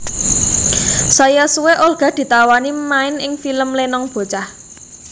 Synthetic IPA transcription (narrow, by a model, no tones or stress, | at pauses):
sajasuweʔorɡ̥a̤d̪̥i̤t̪awanimaɪnɪŋfiləmlenɔŋb̥o̤t͡ʃah